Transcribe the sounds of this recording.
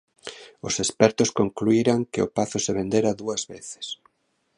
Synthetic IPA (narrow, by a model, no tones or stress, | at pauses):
ʊsespɛɾt̪ʊskoŋkluiɾaŋkɪʊpaθʊseβend̪eɾaðuɐzβeθɪ̥s